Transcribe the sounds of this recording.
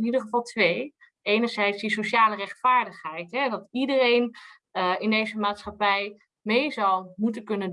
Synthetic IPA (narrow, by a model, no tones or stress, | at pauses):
nidəχəvɑlˠtʋej | ejnəɹzɛjtsdisoʃaːlərɛχtfaːɹdəχɦɛjtɦɛdɑtidərejn | ɪndejzəmaːtsχɑpɛj | mejzɑwmutənkɵnənd